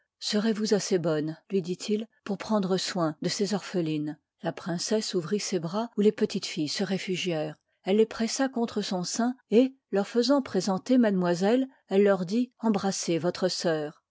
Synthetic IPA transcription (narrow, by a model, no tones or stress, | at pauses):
səʁevuzasebɔnlɥid̪it̪ʰilpuʁpχɑ̃d̪ʁəswɛ̃d̪əsezɔʁfəlin | lapχɛ̃sɛsuvʁisebʁaulepət̪it̪fijsəʁefyʒjɛːʁ | ɛlːepχɛsakɔ̃t̪χəsɔ̃sɛ̃e | lœʁfəzɑ̃pχezɑ̃t̪emad̪mwazɛl | ɛlːœʁd̪iɑ̃bʁasevɔt̪χəsœːʁ